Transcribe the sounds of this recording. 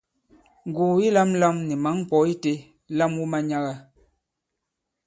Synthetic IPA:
ŋ˨ɡuː˨i˦la˦m˦la˦mnɛ˨ma˨˦ŋ˦˨k͡pɔ˨˦i˦te˦ | la˦mwu˦ma˦ɲa˦ɣa˦

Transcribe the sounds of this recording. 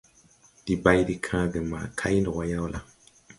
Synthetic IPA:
d̥i˨ba˦i˦di˦kʰãː˦ɡə˨ma̰ː˨kʰa˦ji˦ndɔ˨wa˦ja˦wla˨

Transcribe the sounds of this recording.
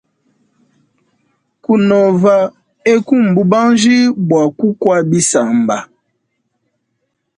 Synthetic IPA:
ku˦nɔ˨va˨ | e˦ku˦˨m̩˨bu˦ba˦ŋd͡ʒi˦bwa˨ku˦kwa˦bi˦sa˨m˨ba˨

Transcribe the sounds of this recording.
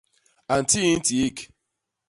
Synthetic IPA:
a˨n̩˨ti˦i˦n̩˦ti˨i˦k

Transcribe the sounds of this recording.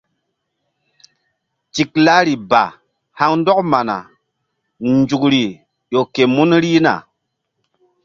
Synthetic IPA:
t͡ʃi˨k̚la˦ɾi˨ba̰˨ | ha˦ŋn˦dɔ˦k̚ma˨na̰˨ | nd͡ʒu˨kɾi˨ | jo˨ke˨mu˦nɾi˦na̰˨

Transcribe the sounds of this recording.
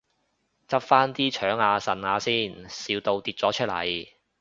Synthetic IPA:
t͡sɐ˥p̚faː˥nt̪iː˥t͡ʃʰœː˨˥ŋaː˨˧sɐ˨˩naː˨˧siː˥˩nsiː˨˧wt̪o˧wt̪iː˧t̚t͡sɔː˨˥t͡ʃʰɵ˥t̚lɐ̰˨˩j

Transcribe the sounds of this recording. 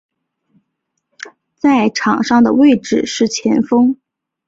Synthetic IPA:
t͡sa˥˩ɪʈ͡ʂʰɑ˨˩ŋʂɑ˥˩ŋd̪ə̰˩we˥˧ɪʈ͡ʂɻ̩˥˩ʂɻ̩˥˩t͡ɕʰjɛ˧˥nfɤ˥ŋ

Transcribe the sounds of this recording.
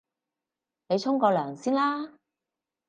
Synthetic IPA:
ne˨˧jt͡sʰʊ˥ŋkɔː˧lœː˨˩ŋsiː˥nlaː˥

